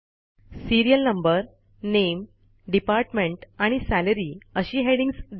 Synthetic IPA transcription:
siɾijəlnəmbəɾ | nem | ɖipaɾʈmẽɳʈaɽ̃isæləɾiːəɕiːɦeɽiŋsd̪

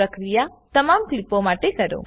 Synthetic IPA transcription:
əkɾijat̪əmamklipomaʈekəɾo̰

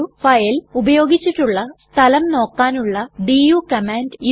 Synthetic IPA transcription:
ufɐjɐlubɐjo̞ːɡit͡ɕːiʈːuɭːɐst̪ʰɐlɐmno̞ːkːaːnuɭːɐɖijuːkɐmaːndj

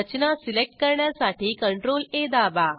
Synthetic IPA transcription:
ət͡ɕinasilek̚ʈ̚kɐɾɳjasaːʈiːkɐɳʈɾoːleːd̪aːʋa

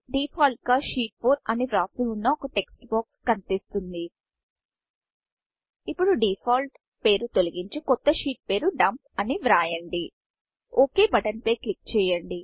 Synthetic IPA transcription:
ɖiːpʰaːlʈ̚kaːʃiːʈ̚pʰoːɾɐniʋɾaːsilunːɐokɐʈe̞ksʈbaːkskɐnit̪ist̪und̪i | ipːuɽuɖipʰaːlʈ | pe̞ːɾut̪o̞lɐɡiɲt͡ʃikɔt̪ːɐʃiːʈ̚pe̞ːɾuɖɐmp̚ɐniʋɾaːjɐɳɖi | oːke̞ːbɐʈɐnpɐjklik̚ːt͡ʃɛːjɐɳɖi

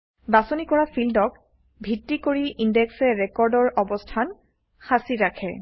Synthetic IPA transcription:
basonikɔɹafildɔk̚ | bʱitːikoɹiʔindɛksɛɹɛkɔɹdɔɹʔɔbɔstʰan | xasiɹakʰɛ

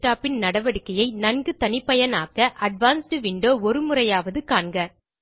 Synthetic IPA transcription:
ʈaːpːɪnnɐɽɐʋɐɽɪkːɐjɐɪnɐɳɡɯt̪ɐnɪpːɐjɐnaːkːɐʔɐɖʋaːnsʈɯʋɪɳɖoːɔɾɯmɯrɐjaːʋɐðɯkaːɳɡɐ

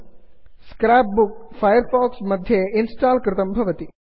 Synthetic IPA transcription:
skɾaːp̚buk̚fʰɐjɐɾfaːksmɐd̪ʱjeinsʈaːlkɾɪt̪ɐmbʱɐʋɐt̪i

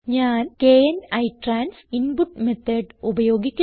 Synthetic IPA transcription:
ɲaːnkejɐnɐjʈraːnsinpuʈːmet̪ʰːɐːɖubɐjo̞ːɡikʲːu

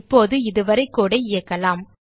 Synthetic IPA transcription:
pːoːðɯɪðɯʋɐɾɐɪkːuːɽɐɪɪjɐkːɐlaːm

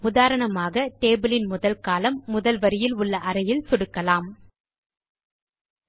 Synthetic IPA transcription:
ʊðaːɾɐɳɐmaːɣɐt̪eːbɯlɪnmʊðɐlkaːlɐmːʊðɐlʋɐɾɪjɪlʊɭːɐʔɐɾɐjɪlsʊɽɯkːɐlaːm

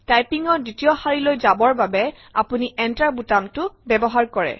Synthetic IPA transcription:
tajpiŋɔditijɔxaɹilojzabɔɹbabɛ | a̰puniʔɛntaɹbutamtʊbɛbɔɦaɹkɔɹɛ̰

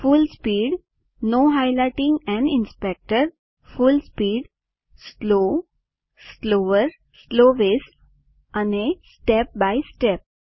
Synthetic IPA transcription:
fʊlspiːɖ | noːɦaɪlaɪʈɪ̃ŋɡɛ̃ɳɪ̃nspɛk̚ʈəɾ | fʊlspiːɖ | sloː | sloːəɾ | sloːʋeːs | ə̃nesʈɛp̚baɪsʈɛp̚

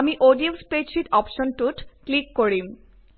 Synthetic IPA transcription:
amiʔoɖiomsped͡ʑʃiʈɔpʃonʈuʈklikːoɾim

